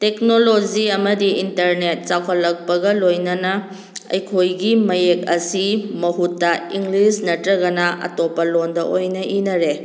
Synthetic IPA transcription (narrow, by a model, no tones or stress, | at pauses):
tek̚nolod͡ʒiɐmɐdiintɐɾnet̚t͡ʃakʰɐlːɐk̚pɐɡɐlojnɐnɐ | ɐ̰jkʰojɡimɐjek̚ɐsimɐɦutːɐiŋɡlisnɐtɾɐɡɐnɐʔɐ̰topːɐlondɐʔojnɐʔinɐɾe